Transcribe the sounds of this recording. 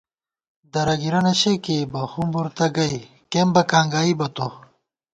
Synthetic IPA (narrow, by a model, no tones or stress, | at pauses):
d̪ɐɾɐɡiɾɐnɐɕekebɐhumbuɾt̪ɐɡɐi | kembɐkʰaːŋɡaːibɐt̪o